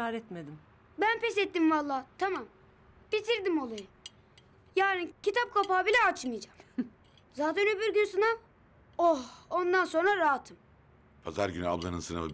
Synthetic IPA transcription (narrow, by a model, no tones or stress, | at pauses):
aːɾɛt̪med̪im | bænpɛsɛt̪ːimvalˠːaːt̪ʰamam | b̥it̪ʰiɾd̪imo̞lˠajɯ | jaːnicit̪ʰap̚kʰapaːbilʲɛat͡ʃmɯjd͡ʒam | zaːt̪ænøbiɾɟynsana | ohond̪anso̞nɾaɾaːt̪ʰɯm | pʰaza̰ɾɟynya̰blˠanɯnsɯna̰vɯ